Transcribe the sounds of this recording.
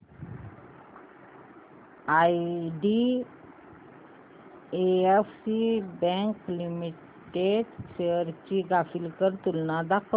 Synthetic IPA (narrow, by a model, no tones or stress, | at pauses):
aɖi | eefsibɛ̃ŋklimiʈ | ʈedɕeəɾt͡ɕiːɡafilkəɾt̪ulnad̪akʰ